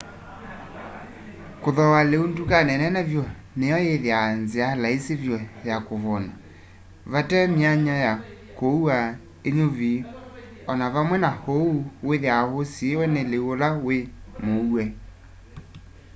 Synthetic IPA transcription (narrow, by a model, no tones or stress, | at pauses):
koðɔwaleundukanɛnɛnɛvjɔ | nejɔjeðeanzealaesevjɔjakoβɔna | βatɛmiaɲaja | koa | eɲovi | ɔnaβamwɛnahouweðeahosiewɛneleolawemouɛ